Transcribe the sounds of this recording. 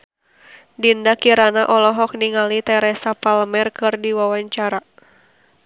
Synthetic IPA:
dindakiɾanaʔɔlɔɦɔk̚niŋalit̪ɛɾɛsapaləmɛrkɨrdiwawaɲt͡ʃaɾa

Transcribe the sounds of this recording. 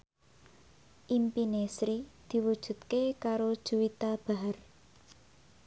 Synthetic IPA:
ʔimpinesɾid̪̥i̤wud̥ʒ̥ṳt̪̚kekaɾod̥ʒ̥ṳwit̪ab̥aɦar

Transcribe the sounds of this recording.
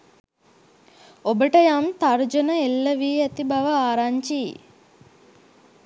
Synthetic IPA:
obəʈəjamt̪aɾd͡ʒɐnəelːɐʋiːæt̪ibaʋəaːɾaɲt͡ʃḭ

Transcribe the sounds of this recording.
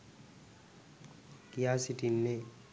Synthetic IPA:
kijasiʈinːe

